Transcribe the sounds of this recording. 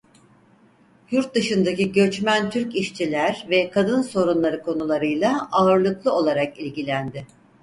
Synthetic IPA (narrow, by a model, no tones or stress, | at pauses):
juɾt̪̚d̪ɯʃɯnd̪aciɟø̞t͡ʃmænt̪ʰyɾciʃt͡ʃʰilʲæɾvɛkʰad̪ɯnso̞ɾunlˠaɾɯkʰo̞nulˠaɾɯjlˠaaɯɾlˠɯklˠɯo̞lˠaɾakilʲɟilʲænd̪ɪ